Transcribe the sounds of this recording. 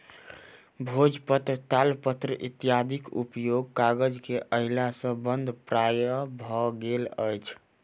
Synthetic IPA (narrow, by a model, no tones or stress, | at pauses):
bʱod͡ʒpət̪ɾət̪alpət̪ɾəʔḭt̪ijad̪ʱikṵpjoɡ̚kaɡəd͡ʒkeʔəɦilasə̃bənd̪ʱpɾajəbʱɔɡeləjt͡ʃʰ